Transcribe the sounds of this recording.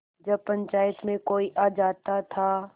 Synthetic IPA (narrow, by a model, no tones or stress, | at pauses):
d͡ʒɐb̚pɐ̃ɲt͡ʃaːjət̪mẽkoːiʔaːd͡ʒaːt̪at̪ʰaː